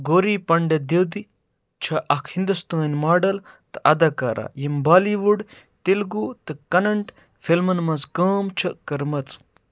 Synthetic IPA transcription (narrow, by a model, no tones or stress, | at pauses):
ɡoːɾiːpɐɳɖɐd̪iwd̪i | t͡ʃʰɐʔɐkʰhind̪ust̪uːɐnʲmaːɖɐl | t̪ɨ̥ɐd̪ɐkaɾʔa̰ːjimbaːliːʋuɖ | t̪ilɡut̪ɨkɐnɐɳʈ | fʰilmɐnmɐzkəːmt͡ʃʰɐkɐɾmɐt͡s